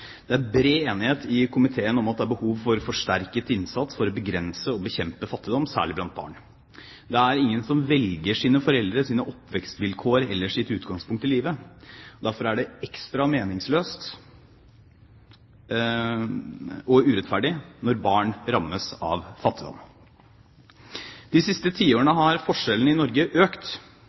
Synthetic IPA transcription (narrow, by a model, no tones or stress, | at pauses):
d̪̥ɛæbɾeːeːnɪheːt̪ʰɪkʰʊmɪt̪ʰeːənɔmɑt̪̚d̪ɛæɾbəhuːʋfɔɾfɔʂʈæɾkət̪ɪnsɑt̪sfɔɾɔbəɡɾɛnsəɔbəçɛmpəfɑt̪ːɪd̪ɔmːsæ̰ːɭɪblɑnt̪̚bɑ̰ːɳ | d̪ɛæɾɪŋːənsɔmʋɛlɡəʂiːnəfɔɾɛld̪ɾəsiːnəʔɔpːʋɛkst̪ʋɪlkʰoːəɾɛlːəʂɪt̪ʉːt̪ɡɑŋspʰʊŋkt̪ɪliːʋəɔd̪æɾfɔɾæɖɛɛkst̪ɾɑmeːnɪŋsløːst̪ | ɔʉːɾɛt̪fæɖɪnɔɾbɑːɳɾɑmːəsɑ̰ʋfɑt̪ːɪd̪ɔ̰m | d̪̥ɪsɪst̪ət̪ʰiːoːəɳəɦɑɾfɔʂɛlən̩ɪnɔɾɡəʔøːkt̪